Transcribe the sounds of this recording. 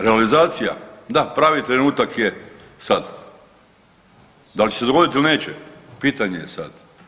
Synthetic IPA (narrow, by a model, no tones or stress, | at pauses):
ɾealizaːt̪sija̰d̪apɾaːʋit̪ɾe̞nuːt̪akje | sad̪ | d̪alt͡ɕesed̪o̞ɡo̞d̪it̪iline̞ːt͡ɕḛpiːt̪aɲejesa̰d̪̥